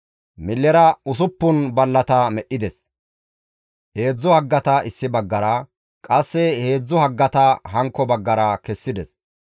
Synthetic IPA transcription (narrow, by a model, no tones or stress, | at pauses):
mɪlːɛɾɐʊs̬ʊpːʊnbɐlːɐt̪ɐmɛʔːɪd̪ɛs | he̞ːd͡zːʊhɐɡːɐt̪ɐɪsːɪbɐɡːɐɾɐ | kʼɐsːɛhe̞ːd͡zːʊhɐɡːɐt̪ɐhɐŋkːɔbɐɡːɐɾɐkɛsːɪd̪ɛs